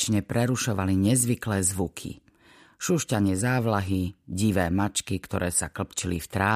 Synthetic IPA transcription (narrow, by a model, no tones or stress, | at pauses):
t͡ʃɲɛpɾɛɾuʃɔʋaliɲɛzʋiklɛːzʋukʰḭ | ʃuʃcaɲɪɛzaːʋlaɦiɟiʋɛːmat͡ʃkikt̪ɔɾɛːsaklpt͡ʃilift̪ɾaː